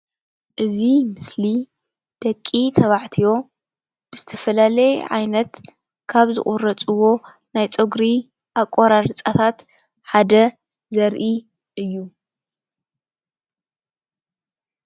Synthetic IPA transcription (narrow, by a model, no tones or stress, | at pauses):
ʔɨzimɨsli | d̪̥ɐkʼːit̪ʰɐβaʕt̪ʰijo̞ | b̥ɨzɨt̪ʰɐfɐlalɐjʕa̰jnɐt̪ | kʰaβzɨ̰χʼuɾɐt͡sʼɨwo̞ | najt͡sʼoɡɾi | ʔakʼoɾaɾɨt͡sʼat̪ʰat̪ | ħad̪ɐ | zɐɾʔi | ʔɨjːu